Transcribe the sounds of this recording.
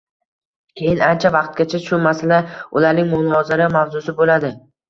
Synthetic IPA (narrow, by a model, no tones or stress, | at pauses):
kʲʰe̞jɪnant͡ʃʰavɑqt̪̚ɡʲat͡ʃʰat͡ʃʃʊmasɪlaʊlaɾnɪŋmʊnɒzɪɾamavzʊsɪbolad̪ɪ